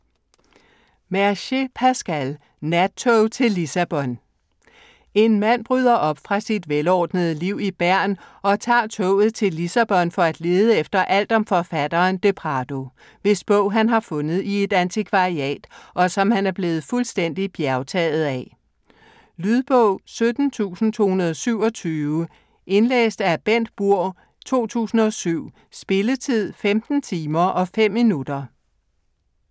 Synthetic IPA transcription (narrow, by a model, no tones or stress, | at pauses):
mæɐɕepʰæsɡ̥æl | næt͡sʰot͡sʰe̝lːisæb̥ɒ̽n | e̝nmæn̰b̥ʁyð̞̰ˠɐʔɒ̽b̥fʁɑ̈sid̥ʋelɒːd̥nəð̞̩ˠəliʊ̰ib̥æɐ̰nɒ̽t͡sʰɑ̰̈ːt͡sʰɔʊ̰ð̞̩ˠt͡sʰe̝lisæb̥ɒ̽nfɒ̽æd̥le̝ːð̞ˠəefd̥ɐʔæl̰d̥ɒ̽mfɒ̽fæd̥ɐːnd̥e̝pʰʁɑd̥o̝ | ʋe̝sb̥ɔʊ̰ɦænɦɑ̈fɔ̽nð̩ˠie̝d̥ænt͡sʰikʰʋɑ̈iɛ̰ːd̥ʔɒ̽sɒ̽mhænæɐb̥le̝ːð̩ˠfulsd̥en̰d̥ib̥jæɐʊt͡sʰɛ̰ːð̞̩ˠæ | lyð̞ˠb̥ɔʊ̰sød̥n̩t͡sʰṵːsn̩t͡sʰo̝̰ːhunɐð̞ˠɒsyʊ̰ɒ̽t͡sʰyːʊə | ʔe̝nlḛːsd̥æɐb̥en̰d̥̚b̥uɐ̰ | t͡sʰo̝̰ːt͡sʰṵːsn̩ɒ̽syʊ̰ | sb̥e̝lət͡sʰið̰ˠfemd̥n̩t͡sʰiːmɐʔɒ̽fem̰ːinud̥ɐ